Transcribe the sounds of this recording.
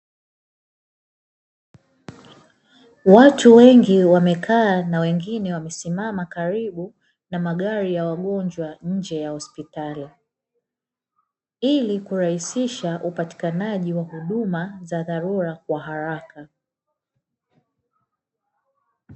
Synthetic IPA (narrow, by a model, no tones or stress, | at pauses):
watuwɛŋɡiwamɛkʰaːnawɛŋɡinɛwamɛsimamakaɾiɓu | namaɠaɾijawaɠɔnd͡ʒwaɲ̩d͡ʒɛjahɔspitali | ilikuɾahisiʃaʔupati̥kanaʄiwahuɗumazaðaɾuɾakwaɦaɾaka